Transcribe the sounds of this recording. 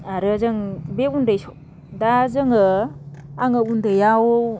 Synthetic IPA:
aɾɯzɯŋbeundajsɔ | dazɯŋɯ | aŋɯundɯjawo

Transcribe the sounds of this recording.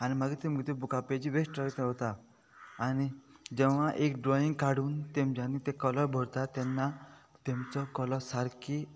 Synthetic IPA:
añimaɡit̪eməɡit̪ebukaped͡ʑiʋeʂʈɾəit̪eɦot̪aː | ñid͡ʑɛʋ̤aʔekɖɾɔiŋɡkaɽuːnt̪emd͡ʑanit̪ekɔlɔɾbʱɔɾt̪at̪enːat̪emt͡sɔkɔlɔsaɾkʰi

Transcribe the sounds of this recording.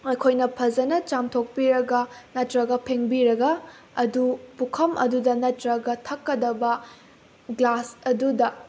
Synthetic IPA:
ɐjkʰojnɐpʰɐd͡ʒɐnɐt͡ʃamtʰok̚piɾɐɡɐnɐtɾɐɡɐpʰeŋbiɾɐɡɐ | ɐdupukʰɐmʔɐ̰dudɐnɐtɾɐɡɐtʰɐkːɐdɐbɐ | ɡlasɐdudɐ

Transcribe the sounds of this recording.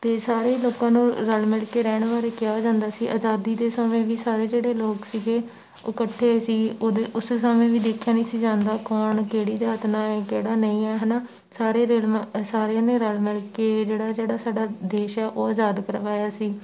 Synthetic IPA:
t̪eːsaːɾeːloːkãːnũːɾəlmɪlkeːɾɛːɳ̃ʋaːɾeːkɪjaːoːd͡ʒãːnd̪aːsiːʔazaːd̪iːd̪eːsəmẽːʋiːsaːɾeːd͡ʒeːɽeːloːksiːɡeː | oːkəʈʰːeːsiːod̪eʊssamẽːʋiːd̪eːkʰːjaːnĩːsiːd͡ʒãːnd̪aːkɔːɳkeːɽiːd͡ʒaːt̪nãːɛːkeːɽaːnəĩːɛːɦɛːnaː | saːɾeːɾelsaːɾeãːneːɾəlmɪlkeːd͡ʒeːɽaːd͡ʒeːɽaːsaːɖaːd̪eːʃɛːʔoːaːzaːd̪kəɾʋaːjaːsiː

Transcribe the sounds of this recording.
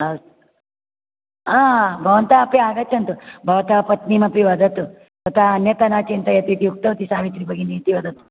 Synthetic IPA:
ɐs | aːbʱɐʋɐnt̪aɐpiaːɡɐt͡ʃːɐnt̪ubʱɐʋɐt̪apɐt̪nimɐpiʋɐd̪ʱɐt̪u | sɐt̪aɐnjɐt̪ɐnaːt͡ʃint̪ɐjɐt̪it̪iuk̚t̪ɐʋt̪isaːʋit̪ɾibʱɐɡiniːt̪iʋɐd̪ʱɐt̪u̥

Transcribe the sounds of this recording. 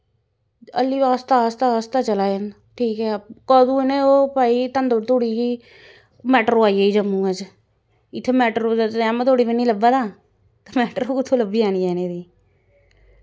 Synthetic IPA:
ə̰lːiːbaːst̪aːst̪aːst̪aːt͡ʃəlaːən | ʈʰiːkɦɛːkɔːd̪uːɪnẽːoːpaːiːt̪ənd̪oɾt̪oːɽiːiː | mɛːʈəɾoːaːieiːd͡ʒəmːũːəd͡ʒ | ɪt̪ʰːeːmɛːʈəɾoɛːmːt̪ʰoːɽiːbinĩːləbaːd̪aː | t̪amɛːʈəɾoːkɪt̪ʰːõːləbːiːaːniːɛːneːd̪iː

